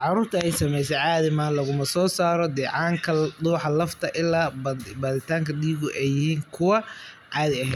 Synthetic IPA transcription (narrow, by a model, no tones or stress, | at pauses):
ʕɑɾuːrt̪ʰɐɛjsɐmɛjsɛʕɑːðɪmaːnlɐɣʊmɐsɔːsaːɾɔd̪ɛːʕɑːŋkʰɐd̪uːħɑlɐft̪ʰɐʔɪlaːbɐd̪ɪt̪ʰaːŋkʰɐdiːɣʊʔɛjːɪhiːŋkʰʊwɐ | ʕɑːd̪ɪɐɦɛd̪